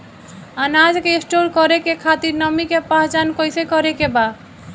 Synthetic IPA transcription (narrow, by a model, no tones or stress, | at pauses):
anad͡ʒkeisʈolkɔɾekekʰat̪iɾnəmikepaɦt͡ʃankojsekɔɾekeba